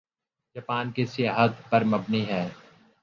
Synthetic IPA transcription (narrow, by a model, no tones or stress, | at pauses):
d͡ʒaːpaːnkesɪjaːɦət̪pɐɾmɐbniɦɛː